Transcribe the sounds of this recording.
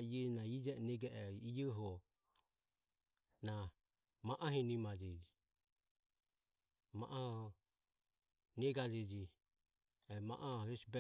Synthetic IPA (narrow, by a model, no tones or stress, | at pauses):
iɛnaid͡ʒɛnɛɡɛʔɛijɔɦɔ | na | maʔaɦinimaɾiɾi | ma̰ʔa | nɛɡaɾɛd͡ʒi | ɛma̰ʔaɾɛsbɛ